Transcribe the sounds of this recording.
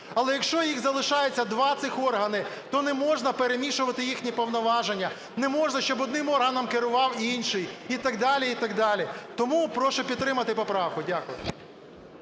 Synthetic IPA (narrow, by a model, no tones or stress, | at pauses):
ɐlˠɛjɐkʃt͡ʃɔjiɣzɐlˠɪʃɑjet͡sʲːɐd̪ʋɑt̪sɪxɔrɦɐnɪt̪ɔnɛmɔʒnɐpeɾemʲiʃʊʋɐt̪ɪjixnʲipɔwnɔʋɑʒenʲːɐ | nɛmɔʒnɐʃt͡ʃɔbɔd̪̚nɪmɔrɦɐnɐmkɪɾʊʋɑwinʲʃɪjit̪ɐɡd̪ɑlʲiit̪ɐɡ̚d̪ɑlʲit̪ɔmupɾɔʃʊpʲid̪t̪ːɾɪmɐt̪ɪpɔpɾɑwkʊdʲakʊ̰jʊ̰